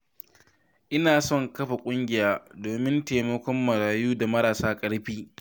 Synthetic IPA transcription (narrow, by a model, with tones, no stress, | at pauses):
ʔɪ˦naː˨sɔ˦˨ŋkɐ˦ɸa˨kʷʼʊ˦ŋɡʲɪ˨jaː˦doː˨mɪ˦nteː˨mɐ˦kʷɔ˦mːɐ˨ɽaː˨juː˦da˨mɐ˦ɽaː˨saː˦kʼɐ˦ɽɸiː˦